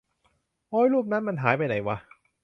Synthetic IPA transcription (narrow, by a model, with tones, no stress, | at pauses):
ʔɔː˦˥jluː˥˩p̚na˦˥nma˧nɦaː˩˦jpa˧jna˨˩˦jwa˧